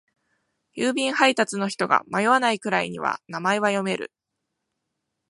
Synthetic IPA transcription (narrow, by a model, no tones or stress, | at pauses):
jɯːbʲĩɰ̃hait̪at͡sɨno̞çi̥t̪o̞ɡa̰majo̞βanaikɯ̟ɾaiɲ̟ḭβa̰namaeβajo̞me̞ɾɯ̟̰